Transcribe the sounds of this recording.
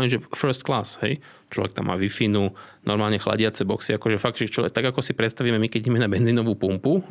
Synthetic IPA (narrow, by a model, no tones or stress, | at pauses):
ɛnʒɛfɛɾst̪̚klaːshɛ̰j | t͡ʃlɔ̰ʋɛkt̪a̰mːa̰ːʋifinunʔɔɾmaːlɲɛxla̰ɟɪat͡sɛbɔksiakɔʒɛfaɡ̚ʒɛt͡ʃɔɛt̪aɡakɔsipɾɛt̪st̪aʋiːmɛmikɛɟimɛnabɛnziːnɔʋuːpumpu